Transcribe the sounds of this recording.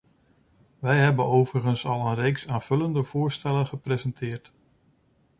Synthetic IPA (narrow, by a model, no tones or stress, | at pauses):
ʋɛjɦɛbənowvərəχənsɑlˠənrejksaːnv̥ɵləndəv̥ʊːɹstɛlənχəprezɛntʰɪːɹt